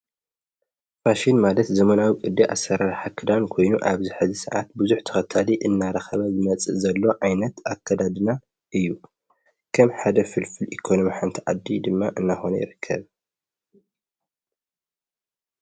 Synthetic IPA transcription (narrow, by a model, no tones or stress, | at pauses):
faʃinmalɐt̪zɐmɐnawikʼɨd̪ːiʔa̰sːɐɾaɾħakʰɨd̪ankʰo̞jnuʔaβzɨħɨzisɨʕa̰t̪̚buzuħt̪ʰɐ̥xɐt̪ʰaliʔɨnːaɾɐxɐβɐzɨmɐt͡sʼɨzɐlːo̞ʔajnɐt̪akʰːɐd̪ad̪ɨna | ʔɨjːu | kʰɐmħad̪ɐfɨlfɨlikʰonomiħant̪ʰiʕad̪ːid̪ɨmːaʔɨnːaxo̞nɐ̰jɪ̰ɾɨkʰːɐ̰β